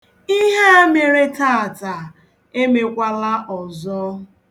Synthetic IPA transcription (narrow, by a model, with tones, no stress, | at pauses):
i˦ɦe˦a˦me˨ɾe˦ta˦a˨ta˨ | e˦me˨kʷa˦la˦ʔɔ˨zɔ˦